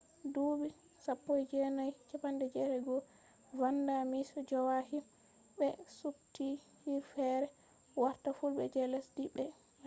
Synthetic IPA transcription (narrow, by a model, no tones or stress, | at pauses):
duːbi | sapːɔjd͡ʒɛnajt͡ʃɛpandɛd͡ʒɛlɛɡɔ | vandamisɔd͡ʒɔwahim | bɛsubti | hiɾfɛɾɛ | waɾtafulɓɛ̰d͡ʒɛlɛsdibɛ